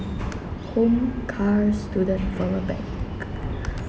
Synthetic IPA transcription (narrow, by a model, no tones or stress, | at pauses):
hõmkʰaɹstʰudətfɔməbɛ̰̃ŋk